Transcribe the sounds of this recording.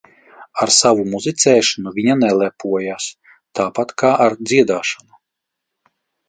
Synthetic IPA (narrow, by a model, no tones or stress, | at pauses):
aɾsavumuzit̪sɛːʃanuvʲiɲanɛlˠɛpuɔjaːs | t̪aːpat̪kaːʔaɾd̪zʲiɛd̪aːʃanu